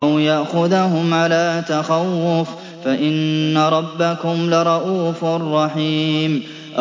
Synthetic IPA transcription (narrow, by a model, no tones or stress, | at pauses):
awjaʔxʊðaɦʊmʕalaːt̪axawːʊf | faʔɪnːaɾˤɑbːakʊmlɪɾˤɑʔuːfarˤːɑħiːm | ʔ